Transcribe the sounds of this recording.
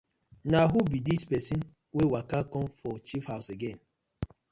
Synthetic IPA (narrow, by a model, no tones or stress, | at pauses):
naɦubidispɛsin | wewakakɔ̃mfɔt͡ʃifhaʊseɡẽn